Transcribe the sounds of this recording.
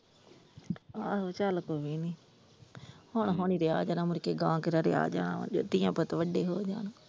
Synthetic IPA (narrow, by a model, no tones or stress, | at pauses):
aːɦoːt͡ʃalkoːʋiːniː | hoɳɦoːɳiːɾɪaːd͡ʒaːnãːmʊɾkeːɡãːkɪɾaːɾɪ̰a̰ːd͡ʒaːna̰ːʋ̰nd͡ʒo̰ːt̪ɪjãːpət̪ʋəɖeːɦoːd͡ʒa̰ːnoː